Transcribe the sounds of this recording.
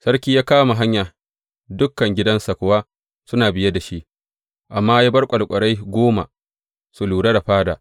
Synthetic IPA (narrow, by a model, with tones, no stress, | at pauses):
sɐ˦ɽkʲiː˦jaː˦kaː˦ma˨ɦa˦ɲja˨ | dʊ˦kːɐ˨ŋɡʲɪ˦dɐ˦nsa˨kʷʊ˨wa˦ | sʊ˦naː˨bɪ˦ja˦da˨ʃi˦ʔ | ʔa˨mːaː˦ja˦bɐ˦rkʷʼɐ˨lkʷʼɐ˨ɽa˦jɡʷoː˦ma̰˨ | su˨luː˨ɽa˦da˨ɸaː˦daː˨